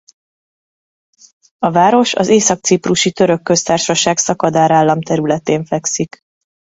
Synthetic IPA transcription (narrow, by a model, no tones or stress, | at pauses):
ɒvaːɾo̞ʃɒ̰zeːsɒk̚t̪sipruʃit̪ø̞ɾø̞kːø̞st̪aːrʃɒʃaːɡsɒkɒd̪aːɾaːlːɒmt̪ɛɾylɛt̪eːɱfɛksik